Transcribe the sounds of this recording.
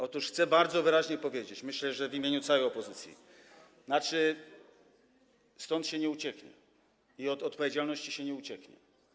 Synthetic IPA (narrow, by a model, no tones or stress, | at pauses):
ɔt̪uʂxt̪sɛbaɾd̪zɔvɘɾaʑɲɛpɔvʲjed͡ʑet͡ɕmɘɕlɛʐɛvimʲeɲut̪sawɛjɔpɔzɘt̪sʲjḭ | nat͡ʂɘ | st̪ɔnt̪ɕɛɲɛut͡ɕɛkɲɛ̰ | iɔt̪ɔt̪̚pɔvʲjed͡ʑalnɔɕt͡ɕiɕɛɲɛut͡ɕɛkɲɛ̰